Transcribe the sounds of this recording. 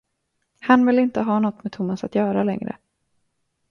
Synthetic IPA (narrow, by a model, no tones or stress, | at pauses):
hanvɪlːɪnt̪əɦɑːnɔt̪ːmɛt̪ʰʊmːasat̪jœːɾalɛ̰ŋɾə̰